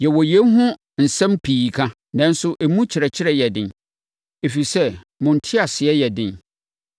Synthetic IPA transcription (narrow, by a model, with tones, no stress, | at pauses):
jɛ˨wɔ˨jɛ̃˦nɦʊ̃˦ | n̩˨sɛ̃˦mpʰiː˨kʰã˦ | nã˨˦n̩˦sʊ˦ʔe˨mũ˦t͡ɕʰɪ˨ɾɛ˨t͡ɕʰɪ˦ɾɛ˦jɛ˨dɪ̃˦˨n | e˨fi˨sɛ˦˨ | mʊ̃˨n̩˨tʰɪ˦a˨sɪ˨ɛ˦jɛ˨dɪ̃˨n